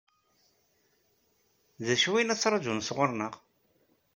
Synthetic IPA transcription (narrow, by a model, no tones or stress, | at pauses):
ðæʃwinæt͡sːɾˤɑd͡ʒunsʁʊɾˤnəʁ